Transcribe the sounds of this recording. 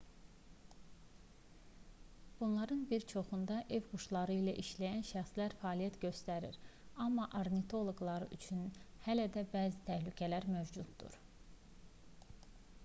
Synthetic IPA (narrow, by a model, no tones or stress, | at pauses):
b̥unlˠɑɾɯnbiɾt͡ʃʰo̞χund̪ɑʔe̞vɡuʃlˠɑɾɯilæʔiʃlæjænʃæxslæɾfæːlijæt̪ɟø̞st̪æɾḭɾɑmːɑʔɑɾnit̪ʰo̞lˠoɡlˠɑɾɯ̰ʔyt͡ʃʰynhælæd̪æbæːzit̪ʰæhlycʰælæɾmøvd͡ʒud̪ːṵɾ̥